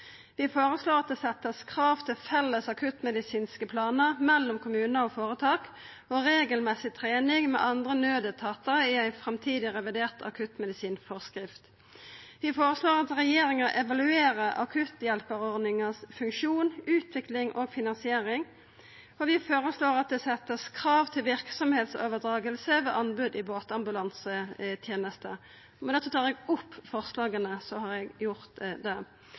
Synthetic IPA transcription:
ʋɪfoːɾəsloːʁɑt̪̚d̪ɛːsɛt̪ːəskʰʁɑːʋt̪ʰɪlfɛlːəsɑkʰʉt̪mɛd̪ɪsiːnskəpʰlɑːnəʁmɛlːʊmkʰʊmʉːnəɔfoːʁət̪ʰɑːk | oɾeːɡəlmɛsɪt̪ʰʁeːnɪŋmɛ̰ʔɑnd̪ʁənøːd̪ət̪ʰɑːt̪əʁəɪæɪfɾɛmt̪ʰiːd̪ɪʁɛʋɪd̪eːʁt̪ɑ̰kʰʉt̪mɛd̪ɪsiːnfɔʁskɾɪft̪ | ʋɪfoːʁəsloːʁɑt̪ʁɛjeːɾɪŋəʔɛʋɑlʉeːʁəʔɑ̰kʰʉt̪jɛlpəʁɔʁd̪nɪŋəsfʉŋkʃuːnʉːt̪ʰʋɪklɪŋʔoɡfɪnɑnsɪeːɾɪŋ | ɔʋɪfoːʁəsloːʁɑt̪̚d̪ɛsɛt̪ːəskʰɾɑːʋt̪ʰɪlʋɪʁksɔmheːt̪so̰ːʋəd̪ɾɑːɡəlsəʋḛːʔɑnbʉd̪ɪboːt̪ɑmbʉlɑnsət̪ʰjeːnəst̪ə | mɛnɛt̪fət̪ʰɑːʁɛɡʊpːfɔʁslɑːɡənəsɔhɑɾɛɡjʊʁt̪d̪ɛ

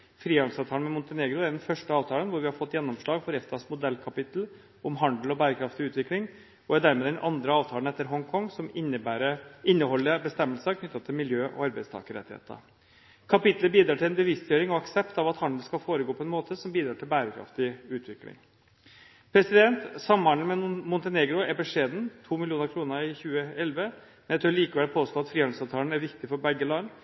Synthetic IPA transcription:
fɾiːɑnsɑʋt̪ʰɑːnmɛmʊnt̪əneːɡɾʊæɾd̪ɛnfœʂʈəɑːʋt̪ʰɑːlənʋʊɾʋɪhɑɾfɔt̪ːjɛnːɔmʂɭɑːɡfɔɾɛft̪ɑsmʊd̪ɛlːkʰɑpɪt̪l̩ | ɔmɦɑnd̪l̩ɔbæːɾəkʰɾɑft̪ɪʉːt̪ʋɪklɪŋ | ɔæd̪æɾmeːd̪ɛnʔɑnd̪ɾəɑːʋt̪ʰɑːlənɛt̪ːəɾɦɔŋkʰɔŋːsɔmbæɾəɪnːəhɔlːəbəst̪ɛmːəlsɑkʰnʏt̪ːɑt̪ʰːɪlmɪljøːʔɔ̰ɑɾbɛɪst̪ʰɑ̰ːkəɾɛ̰t̪ːɪḛːt̪ə̰ | kʰɑpɪt̪ləbiːd̪ɾɑːʈʰɪlɛnbəʋɪst̪jøːɾɪŋɔɑksɛpt̪ɑʋɑt̪hɑnd̪l̩skɑlfoːɾəɡoːpʰɔɛnmoːt̪ʰəsɔmbiːd̪ɾɑːʈʰɪlbæːɾəkʰɾɑ̰ft̪ɪʉːt̪ʰʋɪklɪ̰ŋ | pʰɾɛsɪd̪ɛnt̪sɑmːɑnl̩mɛmʊnt̪əneːɡɾʊɛbɛʂeːd̪n̩t̪ʰuːmɪlɪjuːnəɾkʰɾuːnəɪçʉːəɛlʋə | mɛnɛt̪ʰøːɾliːkəʋɛlpʰoːst̪oːɑt̪fɾiːɑnd̪̩sɑʋt̪ʰɑːlənæɾʋɪkt̪ɪfɔɾbɛɡːəlɑn

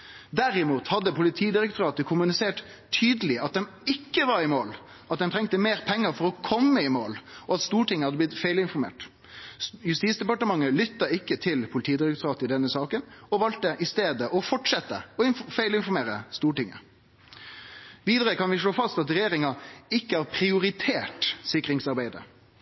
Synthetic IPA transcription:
d̪æɾɪmuːt̪hɑd̪ːəpʊlɪt̪ʰiːd̪ɪɾəkt̪ʰʊɾɑːt̪əkʰʊmʉnɪseːʈ | t̪ʰyːd̪əlɪɑt̪̚d̪ɛm | ɪkːəʋɑɾɪmoːl | ɑt̪̚d̪ɛmt̪ʰɾɛŋt̪əmeːɾpʰɛŋːəɾfɔɾɔkʰɔmːəɪmoːlɔɑt̪st̪uːʈɪŋːəhɑd̪əblɪt̪fæɪlɪnfɔɾmḛːʈ | jʉst̪iːtsd̪ɛpɑʈəmɑŋːəlʏt̪ːɑɪkːət̪ʰɪlpʰʊlɪt̪ʰiːd̪ɪɾək̚t̪ʊɾɑːt̪əɪd̪ɛnːəsɑːkənɔʋɑlt̪ːəʔɪst̪eːd̪əʔɔfɔʈʂɛt̪ːəɔɪnfæɪlɪnfɔɾmeːʁɾəst̪uːʈɪŋːə̰ | ʋiːd̪əʁɾəkɑnʋɪʂɭoːfɑst̪ɑt̪ɾɛjeːɾɪŋɑɪkːəæːɾpʰɾɪʊɾɪt̪ʰeːʈsɪkɾɪŋsɑɾbæɪd̪ə̰

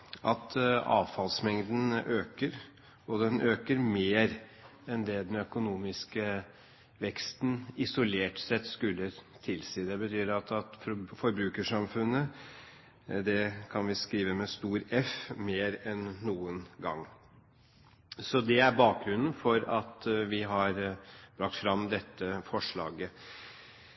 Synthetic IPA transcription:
ʔɑt̪ʰɑ̰ːʋfɑlsmɛŋd̪n̩øːkəɾ | ɔd̪ɛnʔøːkəɾmeːɾɛnd̪ɛd̪ɛnœkʊnuːmɪskə | ʋɛkst̪n̩ɪsʊleːʈsɛt̪skʉlːət̪ʰɪlsiːd̪ɛbət̪ʰyːɾɑt̪ɑt̪fɔɾbɾʉːkəʂɑmfʉnːə | d̪ɛkʰɑnʋɪskɾiːʋəmɛst̪uːɾɛfmeːɾɛnːuːənɡɑ̰ŋː | sɔd̪ɛæɾbɑːk̚ɡɾʉnən̩fɔɾɑt̪ʋɪɦɑɾb̥ɾɑk̚t̪fɾɑmd̪ɛt̪ːəfɔʂɭɑ̰ːɡə

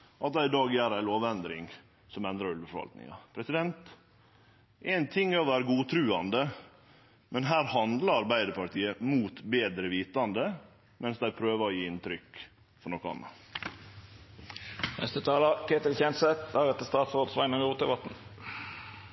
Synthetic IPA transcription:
ʔɑt̪̚d̪æɪd̪ɑːɡjæːɾæɪloːʋɛnd̪ɾɪ̰ŋ | sɔmɛnd̪ɾɑɾʉlʋəfɔɾʋɑ̰lt̪nɪ̰ŋɑ̰pʰɾɛsɪd̪ɛnt̪ | ʔɛːnt̪ʰɪŋːɑʋæːɾəɡuːt̪ʰɾʉːɑnd̪ə | mɛnɦæːɾhɑnd̪lɑɑɾbæɪd̪əpɑɾʈ̪iːəmuːt̪beːd̪ɾəʋiːt̪ɑnd̪ə | mɛnsd̪æɪpʰɾøːʋəɾɔjiːɪnt̪ʰɾʏkː | fɔɳɔkːɔɑ̰nːɑ̰ | nɛ̰st̪ət̪ʰɑːlɑkʰeːt̪ɪlçɛnsɛt̪ɑɾɛt̪ːəst̪ɑːt̪sʁoːd̪sʋɑɪnəmjuːt̪d̪əbɑt̪n̩

